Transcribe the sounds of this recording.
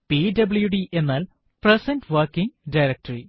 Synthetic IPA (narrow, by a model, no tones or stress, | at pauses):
pidɐbljuɖiʔe̞nːaːl | presɐndʋɐrkːiŋdɐjɾek̚ʈɐri